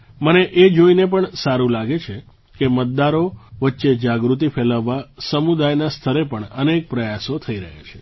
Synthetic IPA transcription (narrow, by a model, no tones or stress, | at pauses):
məneʔed͡ʒoinepəɳsaɾũlaɡet͡ʃʰe | kemət̪̚d̪aɾoʋətːʃed͡ʒaɡɾut̪̬ifʰeləʋːasəmud̪ajnast̪ʰəɾepəɳənek̚pɾəjasot̪ʰəiɾəɦḛt͡ʃʰe